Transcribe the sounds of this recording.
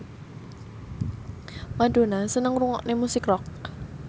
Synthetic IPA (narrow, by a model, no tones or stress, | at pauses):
mad̥o̤nasənəŋruŋɔʔnemusɪkrɔk̚